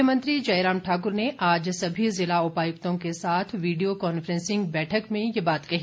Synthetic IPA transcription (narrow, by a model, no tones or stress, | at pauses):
əmə̃nt̪ɾid͡ʒɐɪɾaːmʈʰaːk̬ʊɾneʔaːd͡ʒsɐbʱizɪlaʊpaːjʊkt̪õkesaːt̪ʰʋiːɖijokɔːnfɾɛ̃nsɪ̃ŋɡ̚bɛːʈʰəkmẽjebaːt̪kɐɦi